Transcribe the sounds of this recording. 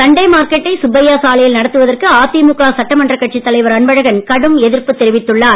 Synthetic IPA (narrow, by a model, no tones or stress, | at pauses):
sɐɳɖɐɪmaːɾkɛʈːɐɪsʊbɐjaːsaːlɐjɪlnɐɽɐt̪ːɯʋɐðɐrkɯaːt̪ːimukaːsɐʈːɐmɐndrɐkːɐʈt͡ʃit̪ːɐlɐɪʋɐɾɐnbɐɻɐɣɐnkɐɽɯmɛðɪɾpɯt̪ːɛɾɪʋɪt̪ːɯɭːaː